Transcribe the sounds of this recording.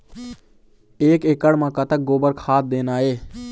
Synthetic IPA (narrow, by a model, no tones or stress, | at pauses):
eːkeːkəɽmãːkət̪ək̚ɡoːbəɾkʰaːt̪̚d̪eːnaːɦeː